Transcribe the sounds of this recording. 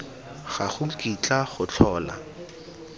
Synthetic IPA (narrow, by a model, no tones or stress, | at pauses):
χaχʊkʼit͡ɬʼaχʊt͡ɬʰɔːla̰